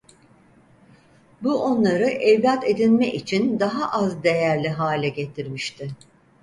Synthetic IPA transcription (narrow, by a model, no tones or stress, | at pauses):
buʔo̞nlˠaɾɯʔɛvlʲat̪ʰe̞d̪inmɛʔit͡ʃʰind̪aɦaʔazd̪e̞jæɾlʲiɦaːlʲɛɟe̞t̪ʰiɾmiʃt̪ʰɪ